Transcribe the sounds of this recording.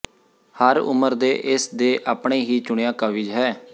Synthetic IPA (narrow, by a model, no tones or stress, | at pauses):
həɾʊ̰məɾd̪eːʔɪsd̪eːʔaːpɳeːɦiːt͡ʃʊɳejãːkəʋiːd͡ʒɦɛː